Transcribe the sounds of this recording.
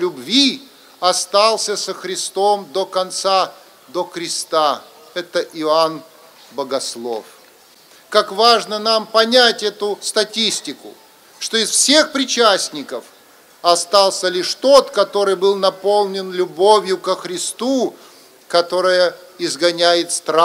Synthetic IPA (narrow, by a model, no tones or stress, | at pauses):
lʲʊbvʲi | ɐst̪alˠsʲəsəxɾʲɪst̪o̞md̪okɐnt̪sa | d̪oxɾʲɪst̪a | ɛt̪əʔɪan | bəɡɐslˠo̞̰f | kakvaʐnənampɐnʲætʲɛt̪ʊst̪ɐtʲisʲtʲɪkʊ̰ | ʂt̪oɪsfsʲe̞xpɾʲɪt͡ɕæsʲnʲɪkəf | ɐst̪alˠsʲəlʲɪʂt̪o̞t̪kɐt̪o̞ɾɨjbɨlˠnɐpo̞lˠnʲɪnlʲʊbovʲjʊkəxɾʲɪst̪u | kɐt̪o̞ɾəjəɪzɡɐnʲæjɪt̪st̪ɾa